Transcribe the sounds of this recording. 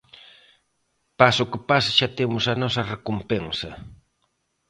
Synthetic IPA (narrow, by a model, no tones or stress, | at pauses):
pasʊkɪpasaʃat̪emʊsanosarekompeŋsa